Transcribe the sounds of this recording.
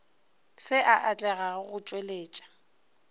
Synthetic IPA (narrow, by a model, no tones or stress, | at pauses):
sɪʔaʔat͡ɬʼɛɣaɣʊt͡ʃʼweleːt͡ʃʼḁ